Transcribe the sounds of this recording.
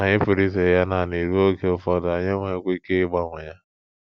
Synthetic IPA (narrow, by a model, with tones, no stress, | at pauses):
a˨ɲɪ˦pi˨ɾi˦se˨ja˦na˨ne˨ɾu˦o˦ke˦ʊ˨fɔ˦da˨ɲɪ˦ŋʷe˦e˦kʷi˦ke˦ɡ͡ba˦ŋʷʊ˨ɲa˦